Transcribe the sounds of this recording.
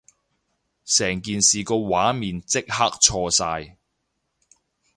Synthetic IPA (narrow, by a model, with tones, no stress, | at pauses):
sɛː˨˩ŋkiː˨nsiː˨kɔː˧waː˨˥miː˨nt͡sɪ˥k̚ha˥k̚t͡ʃʰɔː˧saː˧j